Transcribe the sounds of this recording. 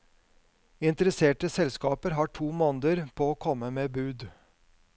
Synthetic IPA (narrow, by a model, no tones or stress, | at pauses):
ɪnt̪əɾəseːʈəsɛlskɑːpəɾɦɑːʈʰuːmɔnd̪əɾpʰoːoːkʰɔməmeːbʉːd̪